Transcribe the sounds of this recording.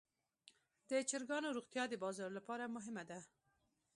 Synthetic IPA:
d̪ət͡ʃɪɾɡɑnoɾuɣt̪jɑd̪əbɑzɑɾlapɑɾamʊɦɪmad̪a

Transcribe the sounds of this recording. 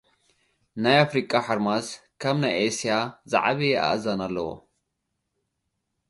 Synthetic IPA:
najafɾikʼaħaɾmaskʰɐmnajʔesijaza̰ʕaβiʔa̰ʔzɐnɐlːɐwo̰

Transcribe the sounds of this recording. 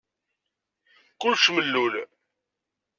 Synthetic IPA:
qːʊlʃməlːul

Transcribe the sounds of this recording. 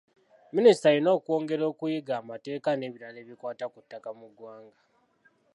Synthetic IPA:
ministajino̞ːkuo̞ːŋɡe̞ɾo̞ːkujiɡaːmate̞ːkane̞ːβiɾale̞ːβikwaːtakutːakamuɡwaːŋɡa

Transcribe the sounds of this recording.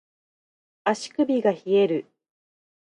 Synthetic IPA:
aɕi̥kɯ̟bʲiɡaçie̞ɾɯ̟

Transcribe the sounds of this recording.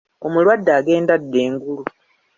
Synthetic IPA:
o̞mulwadːaːɡe̞ːndadːe̞ːŋɡulu

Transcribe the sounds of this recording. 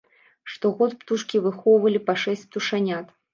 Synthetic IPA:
ʂt̪ɔɣɔt̪pt̪uʂkʲivɨxɔwvɐlʲipaʂɛsʲt͡sʲp̚t̪uʂanʲat̪

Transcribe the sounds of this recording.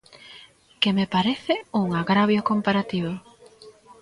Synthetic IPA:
kemepaɾeθɪuŋaɣɾaβjʊkompaɾat̪iβʊ

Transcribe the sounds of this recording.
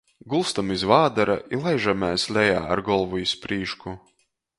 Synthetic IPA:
ɡulˠst̪amizvaːd̪aɾaʔilˠajʒamæːsʲlʲɛjaːaɾɡɔlˠvuispɾiːʃku

